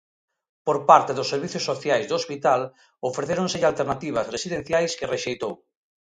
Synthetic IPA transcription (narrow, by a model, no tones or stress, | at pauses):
poɾpaɾt̪eðʊsːeɾβiθjosːoθjajzðoospit̪al | ofɾeθeɾoŋseʎalt̪eɾnat̪iβ̞ɐzresiðen̟θjajskereʃejt̪ow